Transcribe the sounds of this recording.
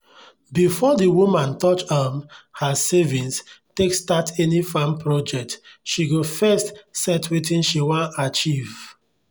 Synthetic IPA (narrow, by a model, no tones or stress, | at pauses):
bifɔdiwumãntɔt͡ʃamhasɛvĩnstekstatʰɛnifãmpɹɔd͡ʒɛk̚tʃiɡofɛstsɛtʰwitĩnʃiwãnat͡ʃiv̥